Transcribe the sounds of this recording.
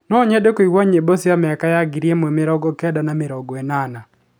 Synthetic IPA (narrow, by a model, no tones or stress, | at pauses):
nɔɲɛdekoiwɔɲebɔsɪamɪakajaɡɪɾiemwɛmɪɾɔɡɔkɛdanamɪɾɔɡɔɛnana